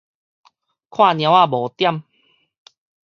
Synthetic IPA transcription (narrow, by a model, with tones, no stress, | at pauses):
kʰwã˥˧˨njã˧˦wa˥˨boː˨˩t̪ja˥˨m